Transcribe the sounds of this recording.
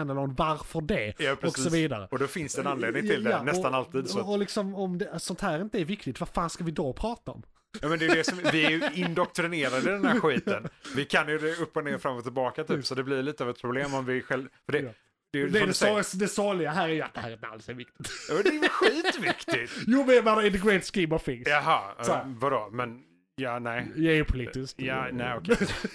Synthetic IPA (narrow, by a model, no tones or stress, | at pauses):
ɛnəlɔnvaɾfœɖɛjɑpʰɾɔkːsɔviːd̪a̰ɾə̰ɔd̪ɔfɪnsd̪ɛɛnanleːd̪nɪŋt̪ʰɪljd̪ɛanɛsɔt̪analt̪iːd̪sɔɔlɪksɔmɔmd̪ɛsɔnt̪hæːɾɪnt̪əæɾvɪkt̪ɪt̪vafaːnskavɪd̪ɔpʰɾɑːt̪aɔ̰m | ɑːmɛnd̪ɛj̪ɛsɔmvɪæɾjɵɪnd̪ɔkt̪ɾɪneːɾad̪əd̪ɛnhæɾɧiːt̪ənvɪkʰanjɵd̪ɛɵpːɔneːɾfɾamːɔt̪ːɪlbɑːkat̪ʰyːpsɔd̪ɛblɪɾliːt̪əavɛt̪pʰɾʊbleːmɔmvɪɧɛlfœɖɛ | d̪̥ɛjd̪ɛdɛssd̪ɛsɑːlɪɡaɦæːɾæɾja̰t̪d̪̥ɛhæːɾɪa̰lsɛɾvɪk̚t̪ɪ̥t̪juːd̪ɛjɧiːt̪vɪkt̪ɪt̪juːmɛmɛnaɪd̪ɛɡɾɛɪt̪skimɔfɪŋjɑɦɑːsvad̪omɛn | jɑːnɛɪjɑɛɾjɵpʰʊliːt̪ɪskjːnɛɔkʰɛ